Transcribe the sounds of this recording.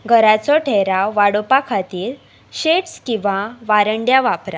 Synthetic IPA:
ɡʱəɾat͡sɔʈʰeɾawʋaɽopakʰat̪iːɾ | ɕeʈskĩʋaʋaɾəɳɖjaʋapɾa

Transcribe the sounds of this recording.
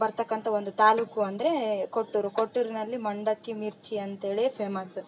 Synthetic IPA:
bɐɾt̪ɐkːɐnt̪ɐond̪ut̪aːluːkuɐnd̪ɐɾe̞koʈːuɾukoʈːuɾinɐlːimɐɳɖɐkːimiɾt͡ʃiɐnt̪eːɭepʰeːmɐsu

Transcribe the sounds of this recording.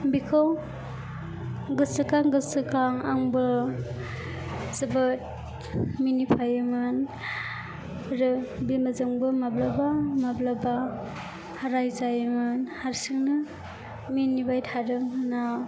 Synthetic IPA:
bikʰɯw | ɡɯsɯkaŋɡɯsɯkaŋaŋbɯ | zɯbɯt̚ | minipʰajɯmɯn | ɾɯbimazɯŋbɯmablabamablaba | haɾajzajmɯnhaɾsiŋnɯ | minibajtʰaɾɯŋnaw

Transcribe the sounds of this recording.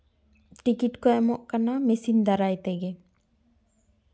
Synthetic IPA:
ʈikiʈkɔɛmɔʔkanamɛsind̪aɾajt̪ɛɡɛ

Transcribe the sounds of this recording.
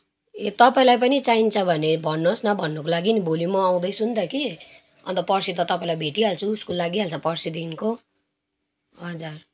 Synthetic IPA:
et̪ʌpaĩlajp̬ʌnit͡saint͡sʰʌbʱʌnebʱʌnːosnʌbʱʌnːʌkolaɡinibʱolimʌaw̃d̪ʌjsunt̪ʌki | ʌ̰nt̪ʌpʌrsit̪ʌt̪ʌpaĩlajbʱeʈiɦalt͡sʰuːskolːaɡiɦalt͡sʰʌpʌrsid̪inko | ɦʌd͡zar

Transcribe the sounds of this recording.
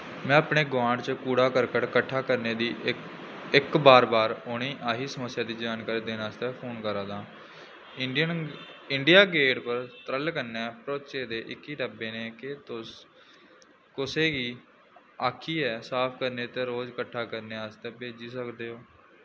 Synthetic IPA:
mɛ̃ːəpɳeːɡʋãːɳɖt͡ʃəkuːɽaːkəɾkəʈkəʈʰːaːkəɾneːd̪iː | ɪkbaːɾbaːɾʊɽ̃iːʔaːɦiːsəməsːjaːd̪iːd͡ʒaːnkaːɾiːd̪eːnaːst̪ɛːpʰoːnkəɾãːd̪ãː | nɪɳɖijaːɡeːʈpəɾt̪əɾəlkəɾnɛːpɾoʋt͡ʃeːd̪eːʔɪkːiːʈəbeːneːkɪt̪ʊs | kʊseːɡiː | aːkʰiːɛːsaːpʰkəɾneːt̪eːɾoːd͡ʒkəʈʰːaːkəɾneːaːst̪ɛːbeːd͡ʒiːsəkd̪eːɦoː

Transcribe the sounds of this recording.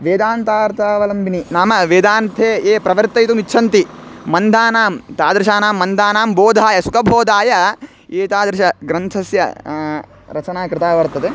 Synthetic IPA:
ʋeːd̪aːnt̪aːɾt̪ʰaːʋɐlɐmbʱininaːmɐʋeːd̪aːnt̪ʰeːeːpɾɐʋɐɾt̪ɐjt̪umitːʃʰɐnt̪imɐnd̪ʱaːnaːmt̪aːd̪ɾɪʃaːnaːmːɐnd̪ʱaːnaːmboːd̪ʱaːjɐsukɐbʱoːd̪ʱaːjɐ | eːt̪aːd̪ɾɪʃɐɡɾɐnt̪ʰɐsjɐ̰ | ɾɐt͡ʃɐnaːkɾɪt̪aːʋɐɾt̪ɐt̪e

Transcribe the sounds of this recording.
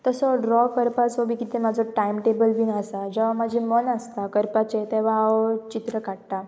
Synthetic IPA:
t̪əsɔɖɾɔkəɾpat͡sɔbikit̪emad͡zʱɔʈajmʈebəlbinəsad͡ʑeʋamad͡ʑʱimənəst̪akəɾpat͡ɕet̪eʋ̤aat͡ɕit̪ɾəkaɽt̪a

